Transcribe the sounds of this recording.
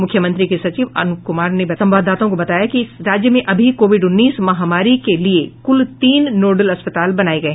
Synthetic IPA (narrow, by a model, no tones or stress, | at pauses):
mʊkʰːjəmɐ̃nt̪ɾikesɐt͡ʃiːʋɐ̰nkʊmaːɾnebɐsɐ̃mʋaːd̪ʱaːt̪õkobɐt̪aːjakiɾaːd͡ʒjəmẽʔɐbʱikoːʋɪɖʊnːiːsmɐɦamaːɾikeliekʊlt̪iːnːoːɖəlɐspɐt̪aːlbɐnaːeɡɐeɦ